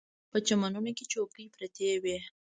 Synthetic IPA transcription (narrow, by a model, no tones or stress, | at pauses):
pət͡ʃamanunoket͡ʃokipɾat̪ʰewe